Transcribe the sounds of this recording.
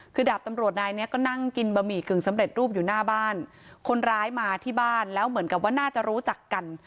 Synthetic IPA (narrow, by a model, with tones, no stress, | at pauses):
kʰɯː˧daː˨˩p̚t̪a˧mɾu˨˩ət̪̚naː˧jni˦˥ɐkɔː˥˩na˥˩ŋki˧nba˧miː˨˩kɯ˨˩ŋsa˩˦mɾe˨˩t̪̚ɾuː˥˩p̬̚juː˨˩naː˥˩baː˥˩n | kʰo˧nɾaː˦˥jmaː˧t̪ʰiː˥˩baː˥˩nlɛː˦˥wmɯ˩˦ənka˨˩p̚waː˥˩naː˥˩t͡ɕa˨˩ɾuː˦˥t͡ɕa˨˩kːa˧n